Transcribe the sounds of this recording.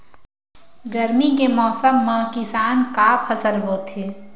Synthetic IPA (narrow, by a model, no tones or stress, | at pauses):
ɡəɾmikemɔːsəmːãkɪsaːnkaːpʰəsəlɦoːt̪ʰeː